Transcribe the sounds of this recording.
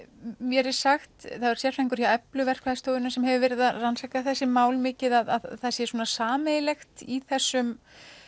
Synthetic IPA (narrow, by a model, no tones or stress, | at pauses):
mjɛɾɪ̥saxt̪θaðvaɾ̥sjɛr̥fɛjŋkʏɾ̥jawɛplʏvɛr̥kvaðɪst̪oːwðɪnʏsɛmhɛvʏvɛːɾɪðaðransakaθɛsːɪmaːwlmɪːcɪðaðaðθasjɛsuːnasaːmɛjɪlɛxt̪iθɛsːʏm